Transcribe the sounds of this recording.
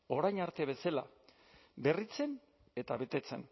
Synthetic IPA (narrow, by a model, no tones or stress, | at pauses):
o̞ɾajɲaɾt̪e̞β̞e̞sala̰ | be̞rit͡se̞n | e̞t̪aβe̞t̪e̞t͡se̞̰n